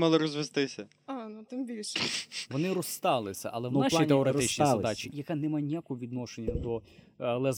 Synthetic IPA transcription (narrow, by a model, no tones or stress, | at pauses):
mɐlˠɪɾɔzʋest̪ɪsʲɐ | anut̪ɪmbʲilʲʃʋɔnɪɾɔst̪ɑlˠɪsʲɐ̰ʔɐ̰lˠɛwnaʃˠit̪eɔɾeɾɪt͡ʃnʲizlɐd̪at͡ʃʲijɐkanɛmajnʲijakɔɦɔʋʲid̪nɔʃenʲːɐd̪ɔ | lˠɛz